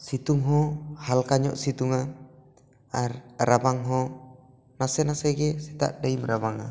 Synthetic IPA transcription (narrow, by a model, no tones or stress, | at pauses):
sit̪uŋɦɔhalkaɲɔ̰ʔsit̪uŋa | ɾabaŋɦɔ | nasɛnasɛɡɛsit̪a̰ʔdaimɾaβaŋa̰